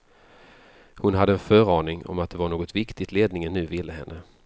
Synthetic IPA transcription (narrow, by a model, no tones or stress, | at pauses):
hʊnɦad̪ːəɛnfœːɾɑːɳɪŋɔ̰mat̪̚d̪ɛvaɳoːɡɔt̪vɪkt̪ɪt̪leːd̪nɪŋənːʉ̟ːvɪlːəɦɛ̰nːə